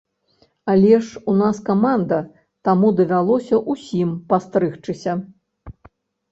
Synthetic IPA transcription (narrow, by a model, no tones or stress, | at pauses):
alʲɛʂunaskamand̪ɐ | t̪amud̪ɐvʲalˠɔsʲɐʔusʲimpast̪ɾɨxt͡ʂɨsʲɐ